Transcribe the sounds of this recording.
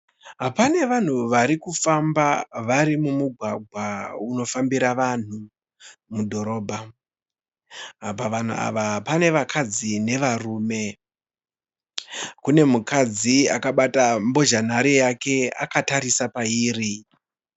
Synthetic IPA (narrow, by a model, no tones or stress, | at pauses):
ɦapane̞ʋan̤uʋaɾikufambaʋaɾimumuɡʱwaɡʱwauno̞fambiɾaʋan̤u | mudʱo̞ɾo̞ːbʱa | ɦapaʋan̤ṵa̰ʋaɦapane̞ʋakʰad͡zine̞ʋaruːme̞ | kune̞mukad͡zia̰kaɓatambo̞ʒanaɾejake̞a̰kataɾisapaiːri